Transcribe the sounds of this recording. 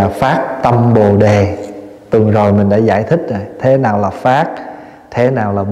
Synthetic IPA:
faː˦˥t̚t̪ə˧mɓo˨˩ɗe˨˩t̪ɨ˨˩əŋzo˨˩jmï˨˩ŋ̟ɗa̰ː˧˥za̰ː˧˩jt̪ʰï˦˥k̟̚zo˨˩jt̪ʰe˨˦naː˨˩wlaː˨˩faː˦˥t̚ | t̪ʰe˨˦naː˨˩wlaː˨˩ɓ

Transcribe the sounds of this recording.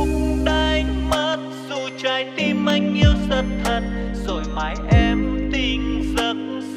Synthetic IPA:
ɗa˧jmə˦˥t̚zu˧t͡ɕa˧˩jt̪i˧mːa˧˩jŋ̟ɲi˧əwzə˧˩n̚t̪ʰə˨˩t̚zo˨˩jma˨˩jʔɛ˧mt̪i˧ŋzə˨˦n̚

